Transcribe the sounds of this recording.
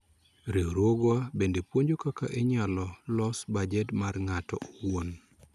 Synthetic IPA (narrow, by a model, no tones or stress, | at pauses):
ɾeɾoɡwabendepwoɲd͡ʒokakaʔeɲalɔlɔsbad͡ʒɛtmarŋatɔwon